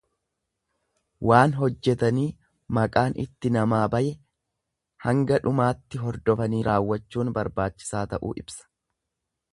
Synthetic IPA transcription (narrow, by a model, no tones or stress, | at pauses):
waːnɦɔd͡ʒːɛt̪ɐniː | mɐkʼaːnɪ̰t̪ːɪnɐmaːbɐjɛ | hɐŋɡɐᶑʊmaːt̪ːɪɦɔɾd̪ɔfɐniːɾʔaːwːɐt͡ʃːuːnbɐɾbaːt͡ʃːɪ̥saːt̪ɐʔṵːʔɪbsɐ̥